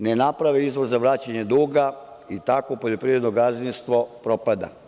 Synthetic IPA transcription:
nenapɾaʋeizʋoɾzaʋɾaːt͡ɕaɲed̪uːɡa | it̪akopoʎo̞pɾiːɾe̞d̪noɡazinst̪ʋo̞pɾo̞pad̪a̰

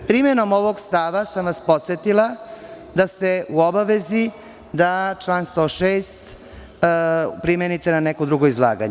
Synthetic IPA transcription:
pɾimeno̞mo̞ʋoɡst̪aʋasamʋaspo̞t̪set̪ila | d̪ast̪e̞uobaʋezi | d̪at͡ʃlˠaːnst̪o̞ʃeːst̪ | pɾimenit̪enanekod̪ɾuɡoizlˠa̰ːɡa̰ɲ

